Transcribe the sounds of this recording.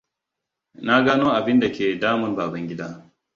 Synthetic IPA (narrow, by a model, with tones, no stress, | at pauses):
na˦ɡaː˦noː˦ʔa˨bɪ˦nda˨kʲeː˨daː˦mɐ˦nbaː˨bɐ˦ŋɡʲɪ˦daː˦